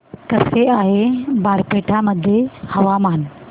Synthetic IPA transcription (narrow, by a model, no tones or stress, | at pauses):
kɐseaːɦebʱaːɾpeːʈʰamɐd̪ʱjehɐʋamaːn